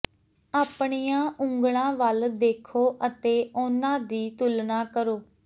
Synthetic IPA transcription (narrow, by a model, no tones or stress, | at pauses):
aːpɳiːjãːʔʊ̃ŋɡɽ̃ãːʋəld̪eːkʰoːʔət̪eːʔʊnãːd̪iːt̪ʊlnaːkəɾoː